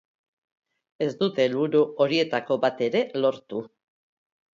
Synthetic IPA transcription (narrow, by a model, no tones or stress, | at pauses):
e̞zd̪ut̪e̞lβuɾuo̞ɾie̞t̪ako̞βat̪e̞ɾe̞lo̞ɾt̪u